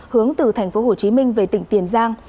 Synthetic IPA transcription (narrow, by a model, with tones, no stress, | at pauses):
hɨ˨˦əŋt̪ɨ˨˩t̪ʰa˨˩jŋ̟fo˨˦ɦo˨˩t͡ɕi˨˦mï˧ŋ̟ve˨˩t̪ï˧˩ŋ̟t̪i˨˧˩ənzaː˧ŋ